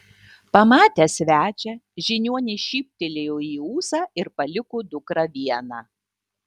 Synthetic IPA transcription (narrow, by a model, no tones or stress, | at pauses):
pɐmɑːt̪ʲɛsʲʋʲæːt͡ʃʲɛʒʲɪnʲuɔnʲɪʃʲiːpʲt̪ʲɪlʲejoːiːuːsɑːɪɾpɐlʲɪkud̪ʊkɾɐʋʲiɛnɑː